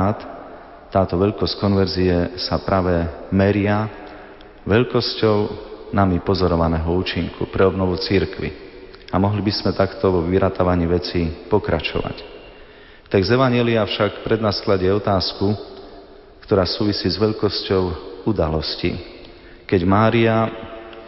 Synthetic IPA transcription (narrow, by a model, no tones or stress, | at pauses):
t̪ː | aːt̪ɔʋɛʎkɔsckɔnʋɛɾziɛsapɾaːʋɛmɛɾɪa | ʋɛʎkɔscɔʊnamipɔzɔɾɔʋanɛːɦɔuːt͡ʃiŋkṵpɾɛɔbnɔʋut͡siɾkʋḭ | amɔɦlibismɛt̪akt̪ɔʋɔʋiɾat̪aʋaɲiːʋɛt͡sipɔkɾa̰t͡ʃɔ̰ʋa̰c | t̪aɡzɛʋaɲɪɛliafʃakpɾɛd̪nasklaɟɪɛɔt̪aːsku | kt̪ɔɾaːsuːʋisiːzʋɛʎkɔscɔʊud̪alɔscḭ | kɛɟmaːɾia